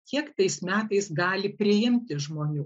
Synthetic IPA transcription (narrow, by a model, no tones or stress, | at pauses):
kʰʲiɛkt̪ɐɪsmʲæːt̪ɐɪsɡɑːlʲɪpʲɾʲɪjɪmʲt̪ʲɪʒmoːnʲuː